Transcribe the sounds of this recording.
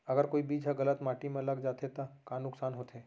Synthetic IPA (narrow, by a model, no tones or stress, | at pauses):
əɡəɾkoːibiːd͡ʒɦaɡələt̪maːʈimẽləɡd͡ʒaːt̪ʰet̪ɐkaːnʊksaːnɦoːt̪ʰeː